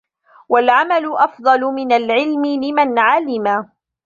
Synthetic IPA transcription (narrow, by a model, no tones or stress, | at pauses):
walʕamalʊʔɑfd̪ˤɑlʊmɪnalʕɪlmɪlɪmanʕalɪma